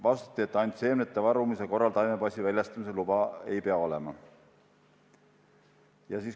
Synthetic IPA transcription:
vɑst̪ɑ̥t̪ːˑiet̪ːɑnʲt̪se̞ːmnet̪ːˑevɑɾumiseko̞rːɑlt̪ɑjmepɑsʲivælʲjɑst̪ɑmiselub̥ɑe̞̰jpe̞ɑo̞lɛ̞mɑ | jɑsiːs

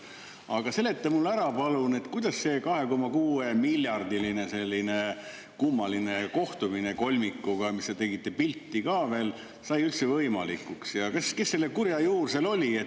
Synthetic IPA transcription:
ɑɡ̥ɑse̞lːe̞t̪ːemulːæɾɑpɑlune̞t̪kujd̪̥ɑsse̞ːkɑhe̞ko̞mɑkuːe̞milʲjɑrd̪iline̞se̞lʲːine̞ | kumːɑline̞ko̞ht̪umineko̞lʲmikːˑuɡ̥ɑmist̪et̪e̞ɡit̪ːˑe̞pilʲt̪ːikɑːve̞ːl | sɑjylt̪sevɤjmɑ̰likːuksjɑkeskesːelːe̞kurjɑjuːrse̞lo̞lʲie

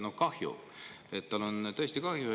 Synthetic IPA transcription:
nokɑhjṵ | et̪t̪ɑlo̞nt̪ɤ̞esʲt̪ikɑhjue

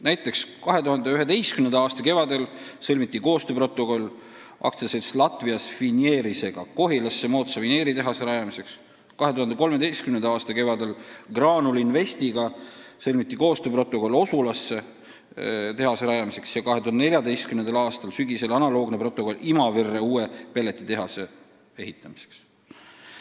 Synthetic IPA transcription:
næjt̪ːˑe̞kskɑɦe̞t̪uhɑnd̪eyɦe̞d̪e̞jst̪kymnend̪ɑɑːst̪ɑke̞vɑd̪e̞lsɤlʲmit̪ːˑiko̞ːst̪øpro̞t̪ːˑo̞ko̞lː | ʔɑ̰k̚t̪seseslɑt̪viɑsfinje̞ːɾise̞ɡ̥ɑko̞ɦilɑsːe̞mo̞ːt̪sɑvine̞ːɾit̪e̞ɦɑseɾɑjɑmise̞ks | kɑɦe̞t̪uhɑnd̪e̞ko̞lme̞d̪ejst̪kymnend̪ɑɑːst̪ɑke̞vɑd̪e̞lɡ̥rɑːnulinve̞st̪iɡ̥ɑselʲmit̪ːiko̞ːst̪øːpro̞t̪ːˑo̞ko̞lːo̞sulɑsːe̞ | t̪e̞ɦɑseɾɑjɑmise̞ksjɑkɑɦet̪uhɑnne̞lʲjɑd̪ejst̪̚kymnend̪ɑlɑːst̪ɑlsyɡise̞lɑnɑlo̞ːɡnepro̞t̪ːˑo̞ko̞limɑverːe̞uːepe̞lːe̞t̪ːˑit̪e̞ɦɑse̞ | e̞ɦit̪ːˑɑmise̥ks

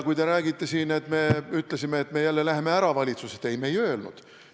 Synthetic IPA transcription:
kujt̪e̞ɾæːɡit̪ːe̞siːne̞t̪me̞yt̪ːˑlesimeːt̪me̞jælːelæɦeme̞æɾɑvɑlʲit̪suset̪e̞jme̞jø̞ːlnṵd̪̥

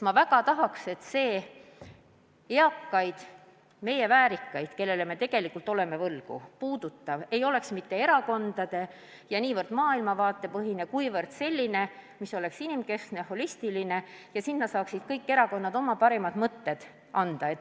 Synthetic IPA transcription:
mɑvæɡɑt̪ɑɦɑkse̞t̪se̞ː | eɑkːɑjd̪̥ | me̞je̞væːɾikːɑjd̪̥ke̞lːe̞leme̞t̪e̞ɡ̥e̞likːˑult̪ːˑo̞le̞me̞vɤlɡ̥ṵpuːd̪̥ut̪ːɑve̞jo̞le̞ksmit̪ːe̞e̞ɾɑko̞nd̪̥ɑd̪̥e̞ | jɑniːvɤrd̪̥mɑːilmɑvɑːt̪ːˑe̞pɤɦine̞kujvɤrd̪̥se̞lʲːine̞miso̞le̞ksinimke̞skneho̞lʲist̪iline̞jɑsinːɑt̪sɑːksid̪̥kɤjkːe̞ɾɑko̞nːɑd̪o̞mɑpɑɾemɑd̪̥mɤt̪ːe̞d̪̥ | ʔɑnd̪̥ɑe̞t̪ː

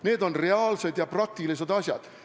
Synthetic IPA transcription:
ne̞ːd̪o̞nre̞ɑːlse̞d̪jɑprɑk̚t̪ilis̬ed̪̥ɑsʲjɑ̰d̪̥

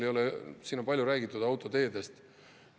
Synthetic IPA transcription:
ejo̞lesiːnːopɑlʲjuɾæːɡ̥it̪ːˑud̪̥ɑwt̪ˑo̞t̪e̞ːd̪e̞st̪

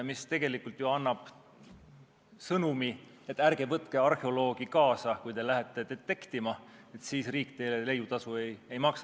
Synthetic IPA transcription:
mist̪e̞ɡ̥e̞likult̪joɑnːɑb̥ | sɤnumi | e̞t̪ːˑærɡ̥evɤt̪keɑrheolo̞ːɡ̥ikɑːsɑkujt̪e̞læɦet̪ːˑet̪et̪ːe̞kt̪imɑ | et̪siːsriːkˑt̪e̞jlele̞jut̪ɑsue̞je̞jmɑksɑ

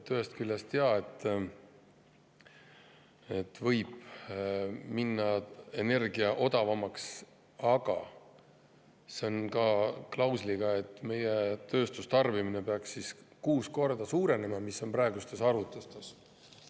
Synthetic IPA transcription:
t̪øɦe̞st̪̚kyljɑst̪eɑe̞t̪ːˑ | e̞t̪ːvɤjb̥ | minːɑe̞ne̞rɡ̥iɑʔo̞d̪ɑvɑmɑks | ɑɡ̥ɑ | se̞onkɑklɑwsliɡ̥ɑe̞t̪ːˑme̞jet̪ø̞ːst̪ust̪ɑrvimine̞peɑksːiskuːsko̞rd̪ɑsuːɾe̞ne̞mɑmisːo̞nprɑe̞ɡust̪e̞sɑɾut̪ːˑust̪es

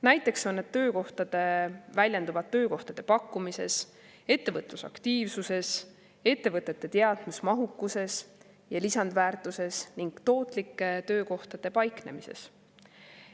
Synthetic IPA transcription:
næjt̪ːˑe̞kso̞nːed̪̚t̪ːøːko̞ht̪ɑd̪̥e̞vælʲjend̪uvɑt̪ːø̞ːko̞ht̪ɑd̪̥e̞pɑkːumise̞̰s | e̞t̪ːe̞vɤt̪ˑlusɑ̰kt̪iːvsuse̞s | e̞t̪ːe̞vɤt̪ːˑe̞t̪ːe̞t̪e̞ɑd̪̥musmɑɦukːˑuse̞s | jɑlisɑnd̪væːrt̪ˑuse̞sniŋɡ̥t̪o̞ːt̪ˑlikːe̞t̪ø̞ːko̞ht̪ɑd̪̥e̞pɑjkne̞̰mise̞̰s

